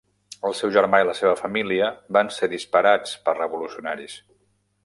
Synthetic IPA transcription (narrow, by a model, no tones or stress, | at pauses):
əlˠsɛwʒəɾmailəseβəfəmiliəbanseðispəɾat͡spərrəβulusiunaɾis